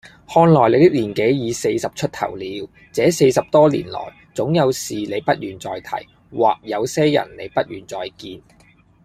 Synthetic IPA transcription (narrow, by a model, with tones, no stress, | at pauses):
hɔː˧nlɔː˨jle˨˧t̪ɪ˥k̚liː˨˩nke˨˥jjiː˨˧se˧jsɐ˨p̚t͡ʃʰɵ˥t̚t̪ʰɐ̰˨˩wliː˨˧˥w | t͡sɛː˨˥se˧jsɐ˨p̚t̪ɔː˥lḭː˨˩nlɔ̰ː˨˩j | t͡sʊ˨˥ŋjɐ˨˧wsiː˨le˨˧jpɐ˥t̚jyː˨˩nt͡sɔː˨jt̪ʰɐ̰˨˩j | wa̰ː˨k̚jɐ˨˧wsɛː˥jɐ̰˨˩nle˨˧jpɐ˥t̚jyː˨˩nt͡sɔː˨jkiː˧n